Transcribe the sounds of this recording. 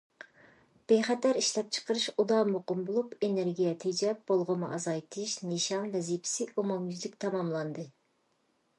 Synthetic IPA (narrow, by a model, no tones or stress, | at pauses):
b̥ejχɛt̪æɾiʃlɛp̚t͡ʃʰə̥qəɾɨʃud̪ɑmoqəmbolˠupeneɾɡʲijɛt̪ʰid͡ʒɛp̚bolˠʁʊmɨʔɑzɑjt̪ʰɨʃnɨʃɑnvɛzipʰɪ̥sɪʔomɑmjyzlɪkʲt̪ʰɑmɑmlˠɑnd̪ɨ